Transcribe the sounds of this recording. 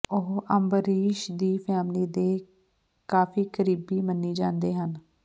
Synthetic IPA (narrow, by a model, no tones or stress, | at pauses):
ʊɦəmbəɾiːʃd̪iːpʰɛːmliːd̪eː | kaːfʰiːkəɾiːbiːmənːiːd͡ʒãːnd̪eːɦən